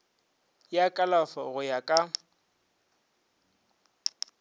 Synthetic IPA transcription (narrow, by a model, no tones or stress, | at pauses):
jakʼalafɔɣʊjakʼa